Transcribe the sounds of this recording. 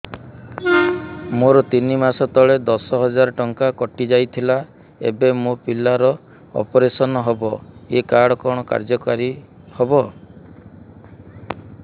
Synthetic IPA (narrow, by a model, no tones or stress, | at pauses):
moɾɔt̪inimasɔt̪ɔɭed̪ɔsɔɦɔd͡ʒaɾɔʈɔŋkakɔʈid͡ʒajt̪ʰila | ḛbemopilːaɾɔ | ɔ̰pɔɾesɔnɔɦɔbɔekaɽɔkɔɽ̃ɔka̰ɾd͡ʒɔkaɾi | hɔbɔ